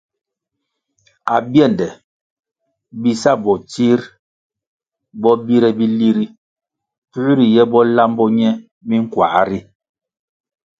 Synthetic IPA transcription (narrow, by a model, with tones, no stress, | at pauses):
a˨bjɛ˦˨ndɛ˨ | bi˦sa˦˨bɔ˨t͡ʃi˦ɾ | bɔ˦bi˦ɾɛ˨bi˦li˦ɾi˦ | pu˦ɾi˨jɛ˦bɔ˦la˦mbɔ˦ɲɛ˦ | bi˦ŋ̩˦kwa̰˨˦ɾi˦